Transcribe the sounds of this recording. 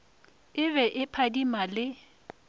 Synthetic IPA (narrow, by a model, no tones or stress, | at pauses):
ɪβɛʔɪpʰadimalɪ